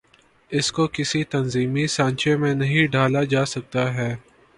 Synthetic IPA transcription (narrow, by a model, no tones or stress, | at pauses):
ɪskokɪsit̪ɐnziːmisãːnt͡ʃemẽnɐɦĩɖʱaːlad͡ʒaːsɐk̚t̪aɦɛː